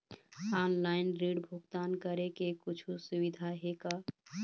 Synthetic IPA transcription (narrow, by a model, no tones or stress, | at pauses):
anlaɪnɾiɽbʱuɡt̪ankəɾekekut͡ʃʰusuβid̪ʱaɦeka